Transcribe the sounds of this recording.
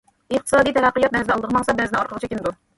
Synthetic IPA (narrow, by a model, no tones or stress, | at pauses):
ɨχt̪ʰɨ̥sɑːd̪ijt̪ʰɛɾæqːəjɑt̪̚nɛzd̪ɑlˠəd̪əʁəmɑŋsɑbɛznɪŋɑɾqʰəʁt͡ʃʰɛkʲind̪u